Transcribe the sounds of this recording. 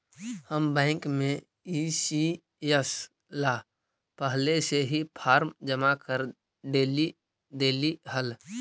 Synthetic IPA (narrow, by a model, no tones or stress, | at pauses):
həmbɛ̃ːɪŋkmẽ | iːsi | jəs | laː | pəɦleseɦipʰaːɾmd͡ʒəmakəɾ | ɖeːli | ɖeːliɦəl